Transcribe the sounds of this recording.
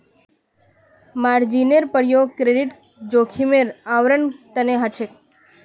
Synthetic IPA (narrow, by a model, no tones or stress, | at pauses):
maɾd͡ʒineɾpəɽjokɾeɖiʈ | d͡ʒokʰimeɾaʋɾənt̪əneɦat͡ʃʰek̚